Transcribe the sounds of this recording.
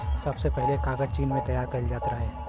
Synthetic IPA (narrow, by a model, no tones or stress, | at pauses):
sɐbsepɛɦlekaːɡəd͡ʒt͡ʃiːnmẽt̪ɐjaːɾkɐld͡ʒaːt̪ɾɐɦẽː